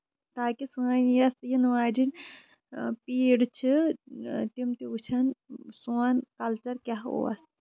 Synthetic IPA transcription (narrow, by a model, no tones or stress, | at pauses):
t̪aːkisuanjɐsjinʋaːd͡ʒin | piːɽt͡ʃʰi | t̪imt̪iut͡ʃʰɐnsuankɐlt͡ʃɐɾkʲaɦo̰ɐ̰s